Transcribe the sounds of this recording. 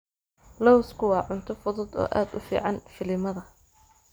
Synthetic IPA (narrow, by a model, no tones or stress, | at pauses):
lɔwskʰʊwɑːʕʊnt̪ʰɔfʊðʊd̪ɔ̰ːʔa̰ːd̪ʊ̰fḭːʕɑnfɪlɪmɐðɐ